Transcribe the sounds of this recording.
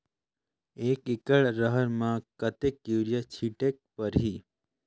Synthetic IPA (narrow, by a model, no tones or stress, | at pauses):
eːkɪkəɭɾəɦəɾmãkət̪ekːiʋɾjət͡ʃʰiʈek̚pəɾɦi